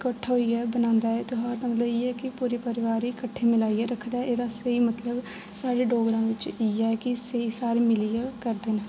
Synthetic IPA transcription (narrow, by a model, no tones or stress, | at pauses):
kəʈʰːɦoːiːɛːbənãːnd̪aːɛːt̪ʊɦãːd̪amət̪ləbiːɛːkɪpuːɾeːpəɾɪʋaːɾiːkəʈʰːeːmɪlaːiːɛːɾəkʰd̪aʔeːd̪aːsəiːmət̪ləb | saːɖeːɖoːɡɾãːʋɪt͡ʃiːɛkɪsəiːsaːɾmɪliakəɾd̪eːn